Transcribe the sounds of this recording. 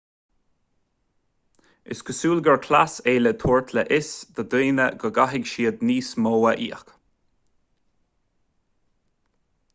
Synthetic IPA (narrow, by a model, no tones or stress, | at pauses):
ɪ̰skʰəsuːlɡəɹkʰlaseːlət̪ʰuːɹt̪ʰləʔɪsd̪̥əd̪uːnəɡəɡaɦɪɡʃiːəd̪niːsmoːəʔḭːək